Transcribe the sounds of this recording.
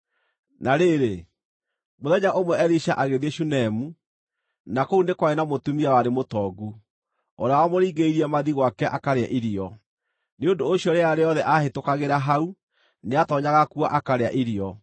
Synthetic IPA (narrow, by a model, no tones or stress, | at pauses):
naɾeɾe | moðɛɲaʔomwɛɛɾiʃaʔaɣeðeʃunɛmu | nakounekwaenamotumiawaɾemotɔɡu | ɔɾeawamoɾiːɡeiɾiɛmaðiɣwakɛʔakaɾeaʔiɾiɔ | neondoːɕjɔɾeaɾeɔðɛʔahetokaɣeɾaɦau | neatɔɲaɣakuaʔakaɾea̰ʔiɾiɔ